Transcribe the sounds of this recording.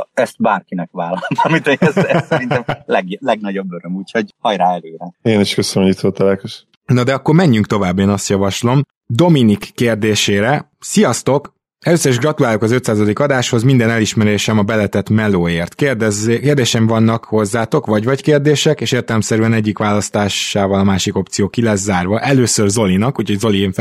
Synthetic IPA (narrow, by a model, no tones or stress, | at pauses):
ɛst̪̚baːrkinɛkʋaːlːɒnt̪ɒmit̪øssɛɾinɛmlɛɡlɛɡ̚nɒɟo̞bːøɾømuːcho̞ɟhɒjɾaːɛløːɾɛeniʃkøsɲit̪ot̪ːɛlɛkoʃ | nɒd̪ɛɒkːo̞rmɛɲːyŋk̚t̪o̞vaːbːeːnɒst̪jɒvɒʃlo̞m | d̪o̞minikːeːrd̪eːʃeːɾɛ | sijɒst̪o̞k | ɛløːsːøɾiʒɡrɒt̪ulaːlokɒzøt̪saːzɒd̪ikɒd̪aːʃho̞zmind̪ɛnɛliʃmɛɾeːʃɛmɒbɛlɛt̪ɛt̪mɛloːeːrt̪kerd̪ɛzkeːrd̪eːʃɛɱvɒnːɒkho̞zːaːt̪o̞kʋɒɟvɒckeːrd̪eːʃɛkeːʃeːrt̪ɛlɛmsɛɾyɛnɛɟːikʋaːlɒst̪aːʃaːvɒlɒmaːʃiko̞p̚t̪sijoːkilɛzaːrvɒʔɛløːsørzo̞linɒkucho̞ɟzo̞lieɱ